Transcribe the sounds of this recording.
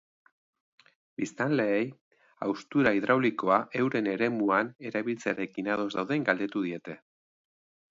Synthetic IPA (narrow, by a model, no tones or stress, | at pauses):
b̥ist̪anle̞ːj | awst̪uɾaiðɾawliko̞aʔe̞wɾe̞ne̞ɾe̞muane̞ɾaβilt͡seaɾe̞kinað̞o̞zd̪awðeŋɡald̪e̞t̪uð̞ie̞t̪e̞